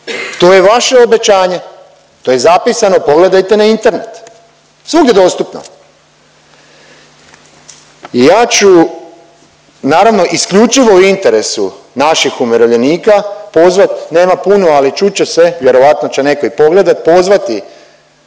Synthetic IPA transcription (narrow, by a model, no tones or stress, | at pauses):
t̪o̞je̞ʋaʃeobe̞t͡ɕaːɲe̞ | t̪oːje̞zapisano̞po̞ɡle̞d̪ajt̪e̞naint̪e̞ɾne̞̰t̪ | sʋuɡd̪ʲjed̪o̞st̪upno̰ | ijaːt͡ʃu | naːɾaʋno̞ʔiskʎut͡ʃiʋo̞uint̪e̞ɾe̞su | naʃixumeɾoʋʎe̞niːkapo̞zʋat̪ne̞ːmapunualit͡ʃut͡ɕeseʋje̞ɾo̞ʋat̪no̞t͡ɕene̞ko̞ipo̞ɡle̞d̪at̪̚po̞zʋat̪i